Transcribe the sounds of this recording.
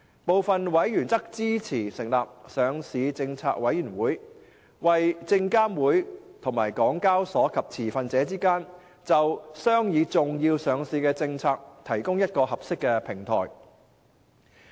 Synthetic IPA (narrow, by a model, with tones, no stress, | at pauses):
po˨wfɐ˨nwɐ˨˥jɥyː˨˩nt͡sɐ˥k̚t͡siː˥t͡sʰiː˨˩sɪ˨˩ŋlaː˨p̚sœː˨˧ŋsiː˨˧t͡sɪ˧ŋt͡sʰaː˧k̚wɐ˨˥jyː˨˩nwuː˨˥j | wɐ˨jt͡sɪ˧ŋkaː˥mwuː˨˥jt̪ʰʊ˨˩ŋmaː˨˩jkɔː˨˥ŋkaː˥wsɔː˨˥kʰɐ˨p̚t͡sʰiː˨˩fɐ˨˧nt͡sɛː˨˥t͡siː˥kaː˥n | t͡sɐ˨wsœː˥ŋjiː˨˧t͡sʊ˨ŋjiː˧wsœː˨˧ŋsiː˨˧˥kɛː˧t͡sɪ˧ŋt͡sʰaː˧k̚t̪ʰɐ˨˩jkʊ˥ŋjɐ˥t̚kɔː˧hɐ˨p̚sɪ˥kːɛ˧pʰɪ˨˩ŋt̪ʰɔ̰ː˨˩j